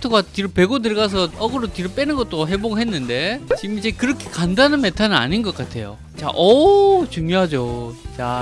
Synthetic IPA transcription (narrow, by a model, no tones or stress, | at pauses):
tʰoɡatiɾope̞ɡotɯɭɡas̬ʰʌʌɡɯɾotiɾɯp͈enɯnɡʌt͈oɦe̞boɡɯɭɦenːɯnde̞t͡ɕimit͡ɕekɯɾʌkʰe̥kandanɯnme̞tʰanɯna̰ɲinɡʌk͈atʰe̞jo̰ | t͡ɕa̰ʔʌt͡ɕuŋjoɦad͡ʑot͡ɕa